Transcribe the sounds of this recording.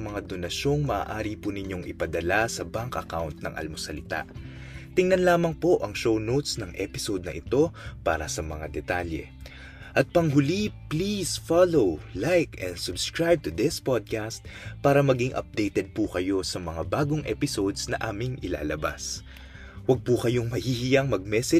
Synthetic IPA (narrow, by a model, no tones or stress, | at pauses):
ɐmɐŋad̪onɐʃo̞ŋmɐa̰ːʔaːɾipunɪɲo̞ŋɪpɐd̪ɐlasɐbaŋkʔɐkawnt̪̚nɐ̰ŋʔɐ̰lmosɐlɪt̪a̰ʔ | t̪ɪŋnɐnlaːmɐŋpo̞ʔɐŋʃownowt̪snɐŋʔɛ̰pɪsod̪̚nɐʔɪt̪o̞paːɾɐsɐmɐŋad̪ɛt̪aljɛ̰ | ʔɐt̪̚pɐŋɦʊliplisfalowlajkɛ̃nsʊbskɹajb̚t̪ʊd̪ɪspod̪̚kast̪̚paːɾɐmɐɡiŋʔɐ̰p̚d̪ɛjt̪ɛd̪̚pukɐjo̞sɐmɐŋabaːɡoŋʔɛ̰pɪso̞d̪snɐʔaːmɪŋʔɪla̰ːlɐba̰s | wɐɡ̚pukɐjo̞ŋmɐhihɪjɐŋmɐɡ̚mɛsɛ